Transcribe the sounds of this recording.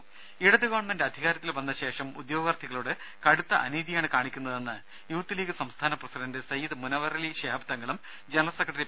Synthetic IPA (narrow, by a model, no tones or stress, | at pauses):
iɽɐd̪ɨɣoːɳmendɨɐd̪ʱiɣaːɾɐt̪ːilbɐnːɐɕe̞ːʂɐmud̪jo̞ːɡɐʋɐrt̪ʰːiɣɐɭuːɽɨ | kɐɽut̪ːɐʔɐniːðijaːɳɨkaːɳikʲːunːɐðe̞nːɨ | juːt̪ːileːkʲːɨsɐmst̪ʰaːnɐprɐsidɐndɨsɐjiðɨmunɐʋɐɾɐliɕeːbɐt̪ːɐŋːɐɭum | d͡ʑenɐɭɐsekːrɐʈːɐri